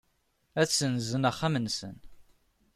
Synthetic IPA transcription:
æsːənzənæχːæmənsə̰n

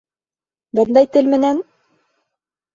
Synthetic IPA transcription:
bɤnd̪ɑjt̪ɘlmɘ̆næn

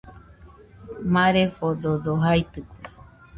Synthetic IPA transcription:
mãɾefododoɦajt̪ɨkʷe

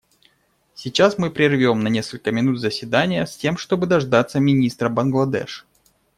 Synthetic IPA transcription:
sʲɪt͡ɕasmɨpɾʲɪrvʲo̞mnɐnʲe̞skəlʲkəmʲɪnut̪zəsʲvʲɪd̪anʲɪjəsʲtʲe̞mʂt̪o̞bɨd̪ɐʐd̪at̪sːəmʲɪnʲist̪ɾəbɐnɡlˠɐd̪ɛ̰ʂ

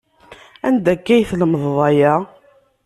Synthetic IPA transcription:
æ̰nd̪ækːæjθləməðˤðˤɑjæ

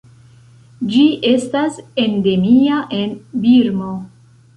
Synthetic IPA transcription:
d͡ʒiʔe̞stase̞nde̞miaʔe̞nbiɾmo

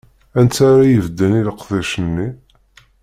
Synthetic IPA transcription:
ænt͡saɾajəvd̪ːəniləqːðæʃənːi

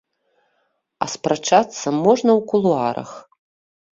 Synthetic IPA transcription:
ɐ̰spɾat͡ʂat̪sːɐmɔʐnɐwkulˠuaɾɐ̰x

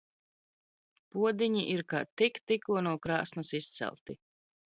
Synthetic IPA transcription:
puɔd̪iɲiʔiɾkaːt̪ikt̪ikuɔnuɔkɾa̰ːsnɐsist̪sɛ̰lˠt̪i

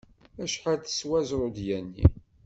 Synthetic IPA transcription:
æʃħaɾθə̥swæzɾˤod̪jænːḭ

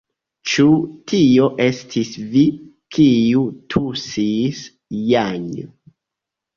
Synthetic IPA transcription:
t͡ʃutʰio̞ʔe̞stʰisvi | kʰiutʰusis | jaɲ

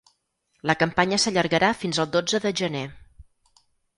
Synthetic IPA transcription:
ləkəmpaɲəsəʎəɾɣəɾafinzəlˠd̪od͡zəðəʒəne

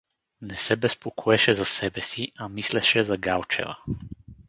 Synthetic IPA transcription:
nɛsɛbɛspokʰɔɛʃɛzasɛbɛsiamislɛʃɛzaɡalˠt͡ʃɛ̰va̰

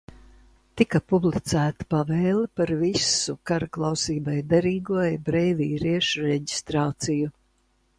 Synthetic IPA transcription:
t̪ikapublˠit̪sæːt̪i̥pavɛjlˠpaɾvisukaɾaklˠawsiːbajd̪eɾiːɡuɔjbɾɛjviːɾiɛʃuɾɛɟist̪ɾaːt̪siju

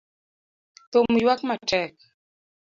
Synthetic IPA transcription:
t̪omujwakmatɛk̚

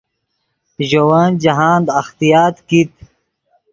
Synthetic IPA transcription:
ʑowaːnd͡ʑɐɦaːnd̪ɐxt̪ijaːt̪kit̪̚

